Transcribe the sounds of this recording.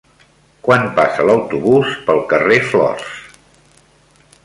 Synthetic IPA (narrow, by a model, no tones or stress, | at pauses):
kwanpasələwt̪uβuspəlˠkəreflɔ̰rs